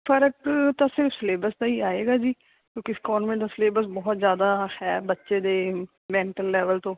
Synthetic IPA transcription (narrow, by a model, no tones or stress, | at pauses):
pʰəɾəkt̪ãːsɪɾfsleːbəɾst̪aːiːaːeːɡaːd͡ʒiː | kjõːkɪskɔːnmẽːd̪aːsleːbəsbɔːt̪zjaːd̪aːhɛːbətːʃeːd̪eː | mɛ̃ːɳʈəlːɛːʋəlt̪õː